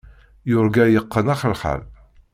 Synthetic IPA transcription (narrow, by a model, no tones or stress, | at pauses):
jʊɾɡæjəqːənaχəlχa̰l